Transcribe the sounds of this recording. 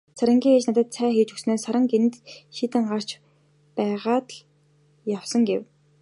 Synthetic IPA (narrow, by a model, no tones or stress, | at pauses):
saɾə̆ŋɡʲiːŋet͡ɕnat̪ə̆t̪sʰæːxeːt͡ɕɵksnoːsaɾə̆ŋɡen̆t̪ʃiːt̪ɘ̆ɴɢar̥t͡ɕ | pæːʁaːt̪ɮ | jawsə̆ŋɡew